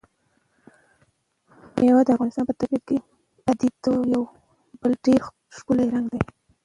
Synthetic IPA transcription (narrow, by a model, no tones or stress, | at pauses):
jawad̪əafɣɑnɪst̪ɑnpət̪abibke | bad̪id̪ojaw | b̥əlɖeɾ | ʃkulajɾaŋɡd̪aj